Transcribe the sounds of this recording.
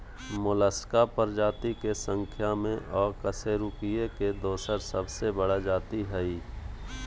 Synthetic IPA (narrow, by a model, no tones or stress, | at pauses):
mʊləskapəɾd͡ʒaːt̪ikesə̃ŋkʰjamẽʔɔːɾkəseɾʊkijeked̪oːsəɾsəbsebəɽad͡ʒaːt̪iɦɛiː